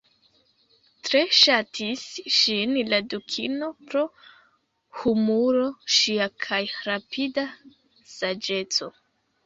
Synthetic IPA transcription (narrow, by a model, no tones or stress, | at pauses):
tɾe̞ʃatʰisʃinladukʰino̞pɾo̞ | humuɾo̞ʃiakʰajɾapida | sad͡ʒe̞t͡so̞